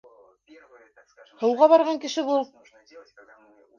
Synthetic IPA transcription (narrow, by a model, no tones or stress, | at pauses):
hɤ̆wʁɑβɑɾʁɑŋkɘ̆ʃɘβulˠ